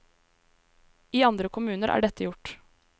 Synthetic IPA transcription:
iːɑnd̪ɾəkʰʊmʉːnəɾʔæ̰ːɖɛt̪əjʊʈ

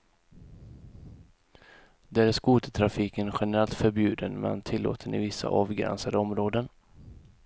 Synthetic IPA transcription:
d̪ɛːæʂkuːt̪ə̥t̪ʰɾafiːkənɧɛnəɾɛlt̪fœɾbjʉ̟ːd̪ənmɛ̰nt̪ʰɪlːo̰ːt̪ʰənɪ̰vɪsːa̰ʔɑːvɡɾɛ̰nsad̪əɔmɾoːd̪ən

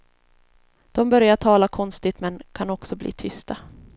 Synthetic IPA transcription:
d̪̥ɔmbœɾjaʈʰɑːlakʰɔnst̪ɪt̪mɛnkʰanɔksɔblḭːt̪ʰʏst̪a

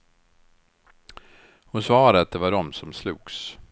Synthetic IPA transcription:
hʊnsvɑːɾat̪̚d̪ɛvaɖɔmsɔmslṵːɡ̥s

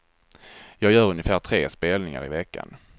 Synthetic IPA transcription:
jɑːɡjœːɾɵnɪfæːʈʰɾeːspeːlnɪŋa̰ɾɪvɛkːa̰n

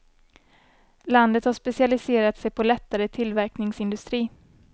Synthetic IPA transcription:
land̪ət̪haʂpɛsɪalɪseːɾat̪sɛjpʰɔlɛt̪ːaɾət̪ʰɪlvæɾknɪŋsɪnd̪ɵst̪ɾiː

